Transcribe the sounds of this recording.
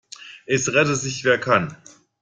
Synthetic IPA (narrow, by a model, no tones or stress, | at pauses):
ʔɛsʁɛtəzɪçv̥eːɐkʰan